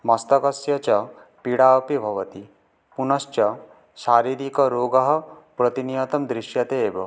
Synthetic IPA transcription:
mɐst̪ɐkɐsjɐt͡ʃɐ | piɽaːpibʱɐʋɐt̪i | punɐst͡ʃɐ | ʃaːɾiɾikɐɾoːɡɐɦɐ̆pɾɐt̪inijɐt̪ɐmd̪ɾiʃjɐt̪eːbɔ

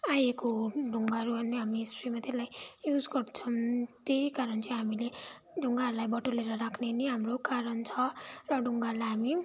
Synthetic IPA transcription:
ajekoɖʱuŋɡaɾuʌnd̪eɦamisʈrimat̪elajjud͡zɡʌrt͡sʰʌ̃t̪eikaɾʌnt͡sʰʌ̃ɦamile | ɖʱuŋɡalajbʌʈoleɾʌɾakʰneniɦamrokaɾʌnt͡sʰʌrʌɖʱuŋɡalajɦami

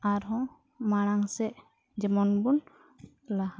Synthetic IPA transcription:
aɾɦɔ̃ | maɽ̃aŋsɛʔ | d͡ʒɛmɔnbun | laha

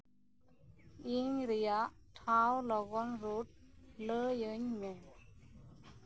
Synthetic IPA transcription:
iŋɾijaʔʈʰawlɔɡɔnɾut̚ləjəɲme

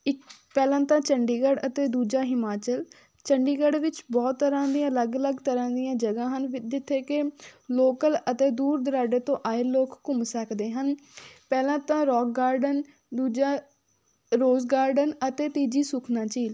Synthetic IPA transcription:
ɪkpɛːlãːt̪ãːt͡ʃəɳɖiːɡəɖət̪eːd̪uːd͡ʒaːɦɪmaːt͡ʃəl | t͡ʃəɳɖiːɡəɖʋɪt͡ʃbɔːt̪ːəɾãːd̪iãələɡələɡt̪əɾãːd̪ijãːd͡ʒəɡãːɦənd͡ʒɪt̪ʰːeːkeloːkələt̪eːd̪uːɾd̪əɾaːɖeːt̪õːʔaːeloːkːʊmsəkd̪eːɦənpɛːlãːt̪ãːɾɔːk̚ɡaːɾɖən | d̪uːd͡ʒaː | ɾoːzɡaːɾɖənət̪eːt̪iːd͡ʒiːsʊkʰnãːt͡ʃiːl

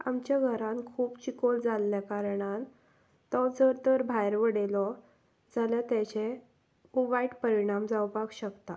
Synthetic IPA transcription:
a̰mt͡ɕjaɡʱəɾãnkʰuːbt͡ɕikold͡zʱalːjakaɾɳan | t̪ɔd͡zəɾt̪əɾbʱajɾʋəɽelɔ | d͡zaljat̪ɛt͡ɕe | uʋajʈpəɾiɽ̃amd͡zawpaɡɕəkt̪a

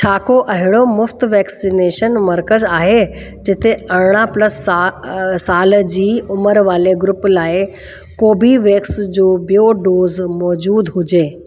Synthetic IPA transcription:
t͡ʃʰaːkoʔɐɦɪɽ̃omʊft̪ʋɛːksineːʃənmɐɾkəzaːɦe | d͡ʑɪt̪eɐɽɽ̃apləs | saːld͡ʑiːʊməɾʋaːleɡɾʊplaːɪ | koːbʱiʋeːksd͡ʑoːbijoɖoːzmɔːd͡ʑuːd̪ɦʊd͡ʑeː

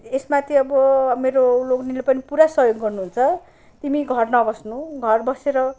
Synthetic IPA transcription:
esmat̪ʰiʌbʌmeɾoloknilepʌnipuɾasʌjoɡɡʌrnuɦunt͡sʰʌ | t̪imiɡʱʌrnʌbʌsnuɡʱʌrbʌseɾʌ

